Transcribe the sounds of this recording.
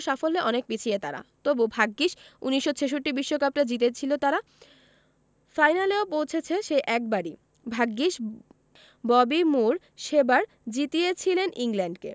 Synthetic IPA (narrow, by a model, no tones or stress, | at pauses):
ʃafolːeʔɔnek̚pit͡ɕʰiet̪aɾa̰t̪obubʱaɡːiʃuniʃːot͡ɕʰeʃ̬oʈːibiʃːokap̚ʈad͡ʑit̪et͡ɕʰilot̪aɾa | fajnaleopowt͡ɕʰet͡ɕʰeʃejʔɛk̚baɾi | bʱaɡːiʃ | bɔbimuɾ | ʃebaɾ | d͡ʑit̪ijet͡ɕʰileniŋlɛɳɖkḛ